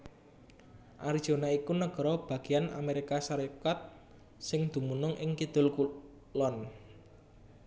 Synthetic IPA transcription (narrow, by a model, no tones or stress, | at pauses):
ʔaɾid̥ʒ̥o̤naikunəɡ̥ə̤ɾɔb̥ä̤ɡ̥i̤jana̰meɾikasaɾekat̪̚ | sɪŋd̪̥ṳmunʊŋʔɪŋkid̪̥ʊ̤lku | lɔn